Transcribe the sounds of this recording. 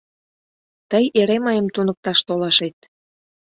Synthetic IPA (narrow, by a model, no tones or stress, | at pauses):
t̪əjeɾeməjəmt̪unək̚t̪ɑʃt̪olɑʃet̪̚